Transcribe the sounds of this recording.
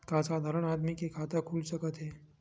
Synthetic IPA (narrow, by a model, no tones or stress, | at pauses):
kãsad̪ʱaɾəɽ̃aːd̪mikekʰaːt̪əkʰuːlsəkət̪ɦeː